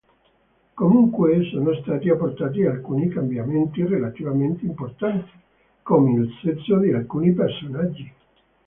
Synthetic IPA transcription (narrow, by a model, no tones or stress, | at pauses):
komuŋkwesoːnost̪aːt̪iapːort̪aːt̪̬ialkuːnikambjament̪irelat̪ivament̪eimport̪ant̪i̥ | komeinut̪set̪sːod̪ialkuːnipersonad͡ʒːi